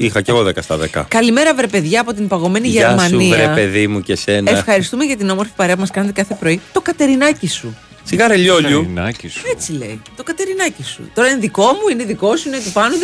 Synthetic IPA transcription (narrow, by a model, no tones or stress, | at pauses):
ixɐceɣoðekɐst̪ɐðḛkɐ̰kɐlime̞ɾɐvɾe̞pe̞ðʝɐːpo̞t̪̬impɐɣo̞me̞niʝeɾmɐnivɾeɐpeðimucese̞neffxɐɾist̪ume̞ʝɐt̪̬ino̞mo̞ɾfi̥pɐɾe̞ɐp̬umɐskɐnet̪ekɐθe̞pɾo̞it̪o̞kɐt̪e̞ɾinɐcisu | siɣɐɾeʎoʎuset͡sile̞̰jt̪o̞kɐt̪e̞ɾinɐcisṵt̪o̞ɾɐineðiko̞muineðiko̞suineot̪ipɐnuð